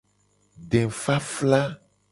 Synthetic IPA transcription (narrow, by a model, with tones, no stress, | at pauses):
ɖɛ̃˨fa˦fla˦